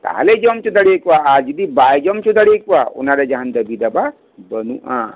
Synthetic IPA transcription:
t̪a̰ɦa̰led͡ʒɔmt͡ʃud̪ɐɽiekʋaad͡ʒid̪ibajd͡ʒɔmt͡ʃud̪ɐɽiekʋaṵnaɾed͡ʒaɦand̪ɐbʱid̪ɐba | bənuʔã̰

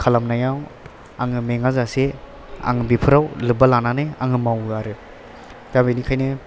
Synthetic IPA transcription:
kʰalamnajaw | a̰ŋɯmeŋazase | a̰ŋɯbipʰɯɾawlɯbalananɯaŋɯmawaɾɯ | ɡabenikʰajnɯ

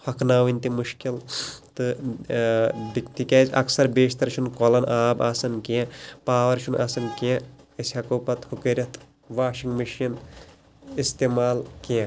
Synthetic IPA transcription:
hɐkʰnaːʋinʲt̪imuʃkilt̪ɨ | bit̪ikɐzɐ̰ksɐɾbeːʃt̪ɐɾʃʰunkolɐnʔaːbaːsɐnkiãpaːʋɐɾʃʰunʔa̰sɐnkiãɐsʲhɐkuːpɐt̪hukeɾʲɐt̪ʰ | ʋaːʃiŋɡmiʃɐn | ist̪eːmaːlkiɐ̃

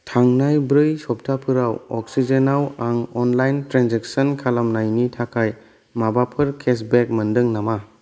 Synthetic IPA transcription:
tʰaŋnajbɾɯjsɔp̚tʰapʰɯɾawɔk̚sid͡ʒenawaŋɔnlajntɾanzeksɔnkʰalamnajnitʰakʰaj | mabapʰɯɾkʰes̬bek̚mɯndɯŋnama

